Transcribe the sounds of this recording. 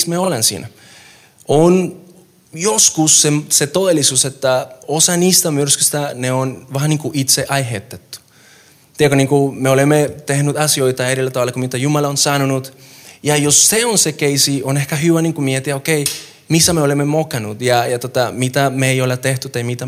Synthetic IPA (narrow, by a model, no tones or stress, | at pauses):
smieolensḭːnæ | on | joskusːemset̪oðelːˑisuːset̪ːæosɑniːst̪æmyrskyst̪æneonʋɑːniːŋkuʔit̪seʔɑjɦet̪ːet̪ːu̥ | t̪iekoniːŋkumeolemːet̪ehnyt̪ɑsioit̪ɑeɾilːæt̪ɑʋɑlːɑkumit̪æjumɑlɑonsɑnunut̪jɑjosːeonsekeisionehkæɦyʋæniŋkumiet̪iæokej | misæmeolemːemokɑnut̪jɑjɑt̪ot̪ɑmit̪æmeejolet̪eht̪yt̪ːejmit̪æ